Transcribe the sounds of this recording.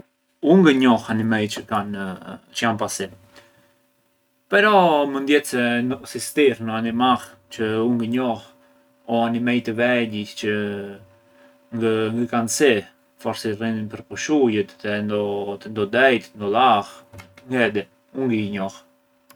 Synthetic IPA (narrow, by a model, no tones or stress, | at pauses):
uŋɡəɲɔhanimɛjt͡ʃəkant͡ʃəjanpasɛ | pɛɾɔmənd̪jɛt̪sɛnsist̪iɾnəanimah | t͡ʃəuŋɡəɲɔh | ɔanimɛjt̪əvɛɟit͡ʃə | ŋɡəŋɡəkansɛ | fɔɾsɛrininpəɾpɔʃujət̪ɛnd̪ɔt̪ənd̪ɔd̪ɛjt̪nd̪ɔlaxŋɡɛd̪ɛ | uŋɡəɲɔh